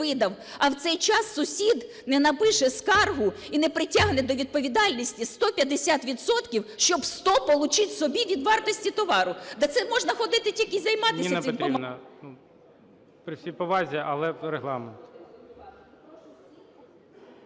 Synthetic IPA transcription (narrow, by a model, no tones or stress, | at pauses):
ɪd̪ɐw | ɐwt̪sɛjt͡ʃɑsːʊsʲid̪ | nɛnɐpɪʃɛskɑrɦʊinɛpɾɪtʲaɦnɛd̪ɔʋʲid̪̚pɔʋʲid̪ɑlʲnʲisʲtʲist̪ɔpʲjɐd̪esʲat̪ʋʲid̪sɔt̪kʲiwʃt͡ʃɔbst̪ɔpɔlˠʊt͡ʃɪtʲsɔbʲiʋʲid̪ʋɑrt̪ɔsʲtʲit̪ɔʋɑɾʊd̪ɛt̪sɛmɔʒnɐxɔd̪ɪt̪ɪtʲilʲkɪzɐjmɑt̪ɪinʲɐnɛɪmɾpɔimnɐnu | pɾɪsʲipɔʋɑzʲiʔɐ̰lˠɛɾeɦlˠɑment̪